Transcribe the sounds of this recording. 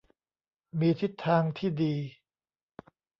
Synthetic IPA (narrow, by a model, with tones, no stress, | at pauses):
miː˧t̪ʰi˦˥t̪ʰːaː˧ŋt̪ʰiː˥˩diː˧